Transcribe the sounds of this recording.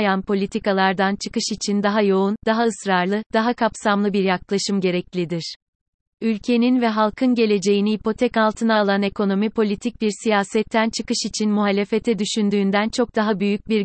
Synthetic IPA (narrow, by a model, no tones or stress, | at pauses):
janpʰo̞lʲit̪ʰikalˠaɾd̪ant͡ʃʰɯ̥kɯʃit͡ʃʰind̪aɦajo̞und̪aɦaɯsɾaɾlˠɯd̪̥aɦakʰapsamlˠɯbiɾjaklˠaʃɯmɟe̞ɾɛclʲid̪iɾ̥ | ylʲcʰe̞ninvɛɦalˠkʰɯnɟe̞lʲe̞d͡ʒe̞jinihipo̞t̪ʰɛkalˠt̪ʰɯnaːlˠane̞ko̞no̞mipʰo̞lʲit̪ʰic̚biɾsijaːsɛt̪ʰːænt͡ʃʰɯkɯʃit͡ʃʰinmuɦalʲe̞fet̪ʰɛd̪yʃynd̪yːnd̪ænt͡ʃʰo̞k̚d̪aɦabyjyc̚biɾ